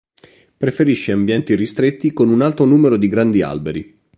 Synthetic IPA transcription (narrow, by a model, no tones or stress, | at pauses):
pɾefeɾiʃːeambjɛnt̪iɾist̪ɾet̪ːikonunalt̪ɾonuːmeɾod̪iɡɾand̪ia̰lbeɾi